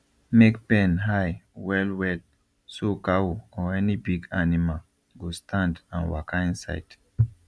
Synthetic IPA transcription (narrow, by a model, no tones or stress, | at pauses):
mekpɛ̃nɦajwɛlwɛl | sokawoɔɛnibiɡanimal | ɡostʰãndãnwa̰kãnsa̰ɪt